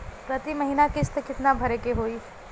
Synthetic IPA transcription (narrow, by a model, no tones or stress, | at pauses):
pɾɐt̪imɐɦiːnakɪt͡ʃt̪ekɪt̪nabʱɐɾekeɦoːi